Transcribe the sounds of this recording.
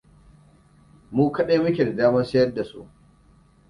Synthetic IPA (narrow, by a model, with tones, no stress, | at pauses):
muː˦kɐ˦ɗeː˦mʊ˦kʲe˨da˨daː˦mɐ˦nsɐ˦jɐ˦rda˨sṵ˦˨ʔ